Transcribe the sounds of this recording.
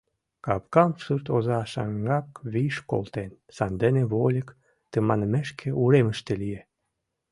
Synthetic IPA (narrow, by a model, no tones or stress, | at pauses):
kɑpkɑmsurt̪ozɑʃɑ̰ŋɡɑkβiʃko̰lt̪en | sɑnd̪ə̆neβolʲək | t̪ə̆mɑnəmĕʃkʰĕʔuɾemə̆ʃt̪elije